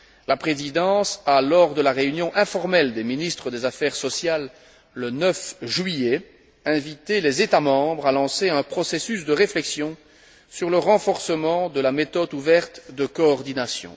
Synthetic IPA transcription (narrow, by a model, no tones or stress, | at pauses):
lapχezid̪ɑ̃salɔʁd̪əlaʁeynjɔ̃ʔɛ̃fɔʁmɛld̪eminist̪χəd̪ezafɛʁsɔsjalː | ənœfʒɥije | ɛ̃vit̪elezet̪amɑ̃bʁalɑ̃seɛ̃pχɔsesys̬d̪əʁeflɛksjɔ̃ | syʁləʁɑ̃fɔʁsəmɑ̃d̪əlamet̪ɔd̪uvɛʁt̪d̪əkɔːʁd̪inasjɔ̰̃